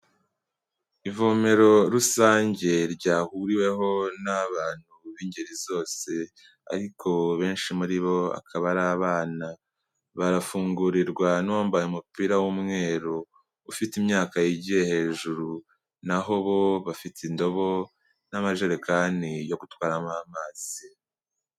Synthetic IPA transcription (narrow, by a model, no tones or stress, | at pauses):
ivome̞ɾo̞ɾusaːɲɟe̞ɾɟaːhuɾiwe̞ɦo̞naβaːn̥huβiːɲɟeɾizo̞ːse̞ | a̰ɾikʰo̞βe̞ːnʃimuɾiβo̞a̰kʰaβaɾaːβaːna | βaɾafuːŋɡuɾiɾɡwanoːmbajumupiːɾawumŋe̞ːɾo | ufitimɲaːkajiɟiehe̞ːʒuɾu | naɦo̞βo̞βafitindo̞βo̞ | namaʒeɾekanijo̞ɡutwaːɾamaamaːz̥i